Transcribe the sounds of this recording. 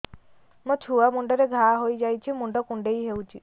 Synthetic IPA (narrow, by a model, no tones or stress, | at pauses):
mũt͡ʃʰuamuɳɖɔɾeɡʱaɦojd͡ʒajt͡ʃʰimuɳɖɔkuɳɖejɦewt͡ʃʰi